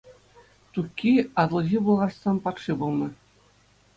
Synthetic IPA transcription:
t̪ukʲːiɑt̪lˠɤ̆ʑʲibulˠʁɑsːɑnpɑt̪ʂibulˠnɤ̆

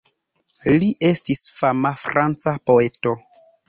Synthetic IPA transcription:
liʔe̞stisfamafɾant͡sapo̞e̞to̞

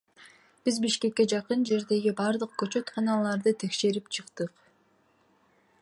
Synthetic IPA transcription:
b̥izbiʃke̞kːe̞d͡ʒɑqɯnd͡ʒe̞ɾd̪e̞ɡibɑɾd̪ɯq̚køt͡ʃø̞t̪qʰɑnɑlˠɑɾd̪ɯt̪ʰe̞kʃe̞ɾipt͡ʃʰɯqt̪ɯq

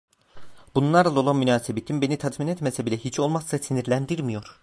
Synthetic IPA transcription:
bunlˠaɾlˠalˠolˠanmynaːsebet̪ʰimbe̞nit̪ʰat̪minɛt̪mesɛbilʲɛɦit͡ʃʰo̞lˠmasːasiniɾlʲænd̪iɾmijo̞ɾ

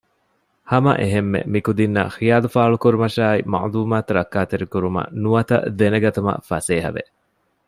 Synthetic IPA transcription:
hɐmɐ̰ʔeɦemːḛmikud̪inːɐ̰xijaːlufaːɭukuɾumɐʃaːimɐ̰ʔluːmaːt̪uɾɐkːaːt̪eɾikuɾumɐ̰nuɐt̪ɐ̰d̪enɐɡɐt̪umɐ̰fɐseːɦɐ̰ʋḛ

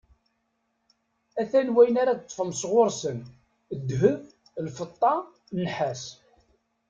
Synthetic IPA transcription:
æθænwæjənaɾat̪ːˤfəmsʁoɾˤsən | əd̪ːɦəð | lfət̪ˤːɑ | nħæs

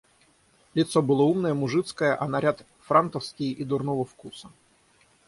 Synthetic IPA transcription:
lʲɪt̪sobɨlˠoumnəjəmʊʐɨt̪skəjəʔɐnɐɾʲat̪ | fɾant̪əfskʲɪjid̪ʊrnovəfkusə

